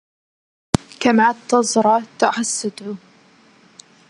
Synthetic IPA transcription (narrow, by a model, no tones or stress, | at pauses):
kamaːt̪ːɑzɾˤɑt̪aʔħasːad̪u